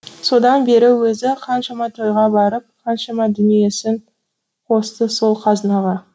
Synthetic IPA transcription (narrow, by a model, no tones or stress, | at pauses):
so̞d̪ɑnbe̞ɾɪwɵzɪqʰɑnʃɑmɑt̪ʰo̞jʁɑbɑɾəp̚qʰɑnʃɑmɑd̪ʏnije̞sɪŋ | qʰo̞st̪əso̞lˠqʰɑzənɑʁɑ